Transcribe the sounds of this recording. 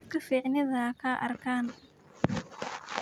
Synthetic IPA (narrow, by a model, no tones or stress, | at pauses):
kʰɐfiːʕnɪðɐkʰaʔɐ̰rkʰaːn